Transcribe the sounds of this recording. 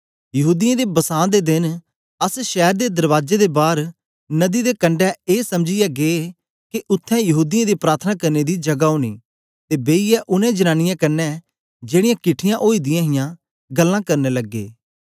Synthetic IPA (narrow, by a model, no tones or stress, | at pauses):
jɐɦuːd̪ɪjãːd̪eːbəsãːd̪ed̪ɪn | əsʃɛːɾd̪eːd̪əɾʋaːd͡ʒed̪eːbaːɾ | nəd̪iːd̪eːkəɳɖɛːeːsəmd͡ʒɪjɛɡe | kiʔʊt̪ʰːɛ̃ːjəɦuːd̪ɪjãːd̪iːpɾaːɾt̪ʰnaːkəɾned̪id͡ʒɐɡaoːnḭː | t̪eːbeːijɛʔʊnẽːd͡ʒənaːnɪjãːkɐnːɛː | d͡ʒeːɽɪ̃jãːkɪʈʰɪjãʔoːiːd̪ɪjãːɦɪjãː | ɡəlːãːkɐɾneləɡːḛː